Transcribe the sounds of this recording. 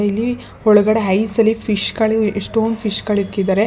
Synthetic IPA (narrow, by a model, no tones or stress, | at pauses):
eilːi | ɔɭuɡɐɽeɦɐjsɐlːipʰiʃɡɐɭieʂʈoːnd̪upʰiʂɡɐɭikːid̪aːɾe